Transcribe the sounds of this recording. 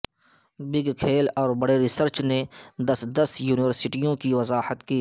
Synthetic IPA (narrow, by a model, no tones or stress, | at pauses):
bɪɡkʰeːlɔːɾbɐɽeɾɪsəɾt͡ʃned̪ɐsd̪ɐsjuːnɪʋəɾsɪʈijõkiʋɐzaːhət̪kiː